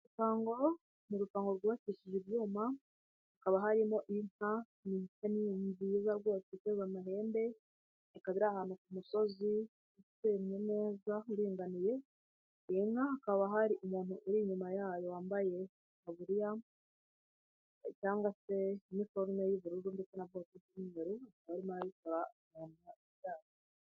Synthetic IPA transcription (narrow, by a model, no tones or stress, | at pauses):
ɾutaːŋɡo̞ | nuɾutaːŋɡo̞ɾɡiβaciʃiʒiβjuːma | hakaβaɦaɾimo̞ʔiŋ̥a | miitaniɲzizaɾɡwo̞ːseitezanaɦe̞ːnde̞ː | kaβiɾahaːnukumuso̞zi | itemɲene̞ːzauɾiːŋɡanije̞ | iŋ̥haakaβaɦaɾiʔumuːnhuʔuɾiɲumajaːjo̞waːmbaje̞ | naβuɾija | caːŋɡwase̞imifoɾunojiβuɾuuɾumdikenaβɡotebimiɲeɾuakaβaɾimaɾajikoɾamaːnaiβjaːɾo